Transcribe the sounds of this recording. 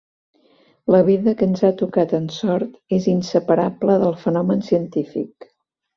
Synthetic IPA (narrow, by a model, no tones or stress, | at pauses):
ləβ̞iðəkənzat̪ukat̪ənsɔɾt̪ezinsəpəɾabləðəlˠfənɔmənsiənt̪ifḭk